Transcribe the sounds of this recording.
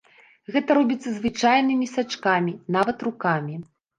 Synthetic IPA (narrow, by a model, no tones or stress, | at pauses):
ɣɛt̪ɐɾɔbʲit̪sːɐzvɨt͡ʂajnɨmʲisat͡ʂkamʲinavɐt̪rukamʲi